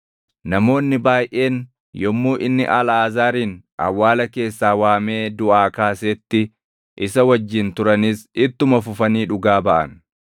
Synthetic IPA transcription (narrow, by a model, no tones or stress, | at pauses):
nɐmo̞ːnːɪbaːjʔe̞ːn | jɔmːuːʔɪnːɪʔɐlaːzaːɾiːn | ʔɐ̰wːaːlɐke̞ːsːaːwaːme̞ːd̪ʊʔaːkaːseːt̪ːɪ | ʔɪsɐwɐd͡ʒːɪnt̪ʊɾɐnisɪt̪ːʊmɐfʊfɐniːᶑʊɡaːbɐʔɐ̰n